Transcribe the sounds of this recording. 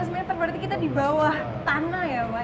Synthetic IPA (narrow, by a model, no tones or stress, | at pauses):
səmaɲat̪ərbəɾt̪ikit̪adibawah | t̪anajawa